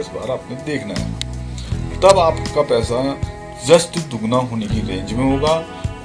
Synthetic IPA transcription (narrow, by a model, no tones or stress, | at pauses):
ɪsba̰ːɾaːpnẽd̪eːkʰna̰ɦɛ̰ | t̪ɐbaːpkapɛːsa | d͡ʒəst̪d̪ʊɡnaɦoːnekiɾẽːɲd͡ʒmẽɦoːɡaː